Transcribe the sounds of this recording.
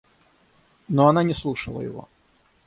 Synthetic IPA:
nɔɐnanʲɪslˠuʂəlˠə̰jɪ̰vo̰

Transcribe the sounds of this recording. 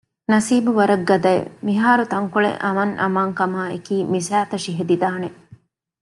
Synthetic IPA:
nɐsiːbuʋɐɾɐɡːɐd̪ɐḛmiɦaːɾut̪ɐŋkuɭḛʔɐmɐŋʔɐ̰maːŋkɐmaːekiːmisæːt̪ɐʃiɦed̪id̪aːne

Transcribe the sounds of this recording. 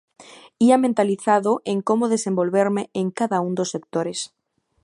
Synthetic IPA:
iamẽnt̪aliθaðoʔeŋkomoð̞esẽmbolβeɾmeeŋkaðaund̪osːek̚t̪oɾes

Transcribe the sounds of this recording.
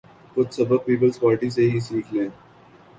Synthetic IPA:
kʊt̪sɐbəb̚piːpəlzpaːlʈis̬eɦisnɪklẽː

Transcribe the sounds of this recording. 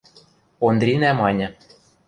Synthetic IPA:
ond̪ɾʲinæmɑnʲɤ̆

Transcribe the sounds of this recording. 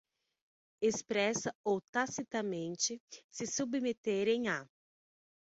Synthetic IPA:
espɾɛsɐowt̪asit̪ɐmẽnt͡ʃɪsɪsubmet̪eɾẽj̃a

